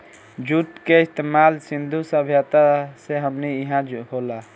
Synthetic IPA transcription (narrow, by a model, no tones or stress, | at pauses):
d͡ʒuʈkeist̪emalsind̪ʱusəbʱjat̪aseɦəmniiɦãɦola